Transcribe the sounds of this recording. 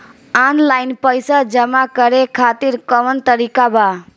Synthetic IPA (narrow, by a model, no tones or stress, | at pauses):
anlaɪnpəjsad͡ʒəmakəɾekʰat̪iɾkəʋənt̪əɾikaba